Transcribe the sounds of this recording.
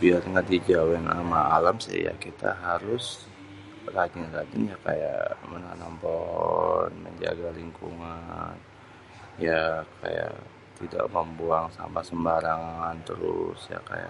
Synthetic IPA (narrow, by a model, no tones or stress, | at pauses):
biarŋadid͡ʒawɛnamaːlamsɪ̰ja̰kit̪aɦaɾʊs | rad͡ʒɪnrad͡ʒɪnjakaja̰ʔmənanampɔɦɔnməɲd͡ʒaɡaliŋkuŋan | jakʰaja̰ʔ | t̪ida̰ʔməmbuaŋsa̰mpasəmbaɾaŋant̪əɾʊsja̰kaja̰